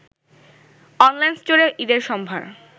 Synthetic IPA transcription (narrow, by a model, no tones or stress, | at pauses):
ɔnlajnst͡ɕoɾeʔid̪eɾʃɔmbʱa̰ɾ